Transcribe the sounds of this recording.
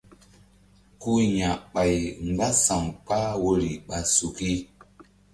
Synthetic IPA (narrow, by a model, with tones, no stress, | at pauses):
ku˦ɲa˨ɓa˨jŋ˨ɡa˦sa˨ŋk͡pa˦wo˦ɾi˨ɓa˨su˨ki˦